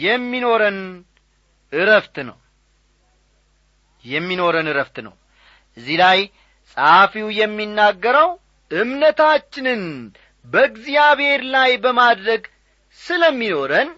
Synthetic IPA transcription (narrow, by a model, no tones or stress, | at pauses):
jɛmːino̞ɾən | ʔɨɾəft̪nə̰w | jɛmːino̞ɾənɨɾəft̪nə̰w | ʔɨzːilaj | sʼafiwjɛmːinːaɡːəɾəw | ʔɨmnət̪ʰat͡ʃːɪnɨn | bəɨɡzijaβhe̞ɾlajbəmad̪ɾəɡ | sɨləmːino̞ɾən